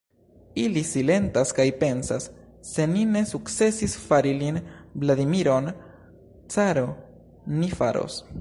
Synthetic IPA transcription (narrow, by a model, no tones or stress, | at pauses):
ilisile̞ntaskajpe̞nsasː | e̞nine̞sukt͡se̞sisfaɾilinblad̪imiɾo̞n | t͡saɾo̞ | nifaɾo̰s